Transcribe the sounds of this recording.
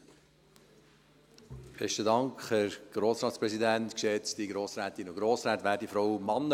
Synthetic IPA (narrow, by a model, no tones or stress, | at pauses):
b̥ɛʃtədɑŋkχhæɾɡ̥ɾoːsɾɑːt̪spɾɛsidænt̪kʃɛt͡sd̥̪iɡɾoːsɾæːt̪inʊɡɾoːsɾæːt̪ʋæːɾdifɾɔwmɑnːə